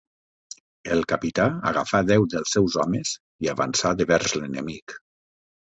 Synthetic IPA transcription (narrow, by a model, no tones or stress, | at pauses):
elˠkapit̪aa̰ɣ̞afaðɛwðəlˠsːɛwzɔmez | iaβa̰nsaðeβɛɾzlenemik